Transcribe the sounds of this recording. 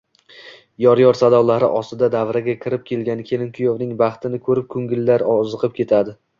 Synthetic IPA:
jɒɾjɒɾsad̪ɒwlaɾɪʔɒst̪ɪd̪ad̪avɾaɡʲakʲʰɪɾɪp̚kʲʰe̞lɡʲankʲʰe̞lɪnkʰʲʊjovnɪŋbɑχt̪ʰɪnɪkʰɵɾɪp̚kʰɵŋɡʲɪlːaɾɒzɨqʰɨp̚kʲʰe̞t̪ʰad̪ɪ

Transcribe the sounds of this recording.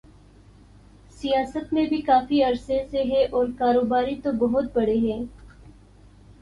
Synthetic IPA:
sijaːsət̪mẽbʱikaːfiɐɾseseɦɛʔɔːɾkaːɾoːbaːɾit̪obɐɦʊt̪̚bɐɽeɦɛ̃ː

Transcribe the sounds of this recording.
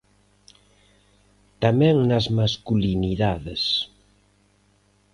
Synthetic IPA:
t̪amɛ̃ŋnɐzmaskuliniðaðes

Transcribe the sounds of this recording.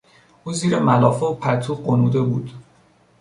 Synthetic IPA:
ʔuːziːɾemælɒːfeopʰæt̪ʰuːɢonuːd̪e̞buːd̪̥

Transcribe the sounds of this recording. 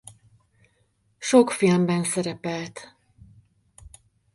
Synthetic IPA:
ʃokfilmbɛnsɛɾɛpɛlt̪

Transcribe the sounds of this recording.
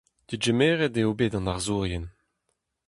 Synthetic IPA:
d̪̥id͡ʒemɛːʁɛdeobeːdɑ̃naʁzuːʁjɛn

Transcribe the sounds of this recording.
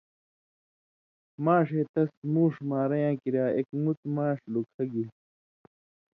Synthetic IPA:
maːʂeːt̪ɐsmuːʂmaːɾɐjãːkiɾaːekmut̪mãːʂlukʰɐɡi

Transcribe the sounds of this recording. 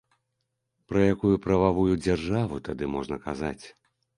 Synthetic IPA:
pɾɐjakujupɾɐvavujud͡zʲarʐavut̪ad̪ɨmɔʐnɐkazat͡sʲ

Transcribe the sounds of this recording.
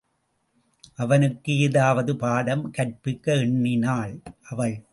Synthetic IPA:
ʔɐʋɐnɯkːɯɪðaːʋɐðɯpaːɽɐmkɐʈpɪkːɐɛɳːɪnaːɭʔɐʋɐɭ

